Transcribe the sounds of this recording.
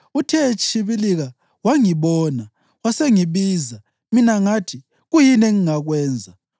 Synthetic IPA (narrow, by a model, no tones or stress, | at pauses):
utʰɛt͡ʃʰiβiliɣa | waŋiβɔːna | waseŋiβiːza | minaŋatʰi | ɣujinɛŋiŋaɣwɛːnd͡zʱa